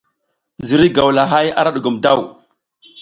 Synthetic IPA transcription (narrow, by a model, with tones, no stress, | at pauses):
zi˨ɾi˦ɡa˨wla˨ɦa˦ja̰˦ɾa˦ɗu˨ɡu˨mda˦˨w